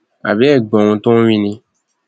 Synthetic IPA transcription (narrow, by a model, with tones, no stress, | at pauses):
a̰˨βe˦˨ɡ͡bɔ̃˨ŋũ˧tõ˦wĩ˦nĩ˧